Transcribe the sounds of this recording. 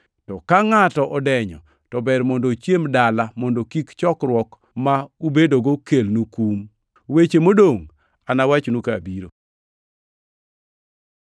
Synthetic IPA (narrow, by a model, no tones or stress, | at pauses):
tɔkaŋatɔʔɔdɛɲɔ̰ | tɔbɛɾmɔndot͡ʃjemdalamɔndokikt͡ʃɔkɾwɔk | maubedoɡokelnukum | wet͡ʃemodoŋ | anawat͡ʃnukabiɾo̰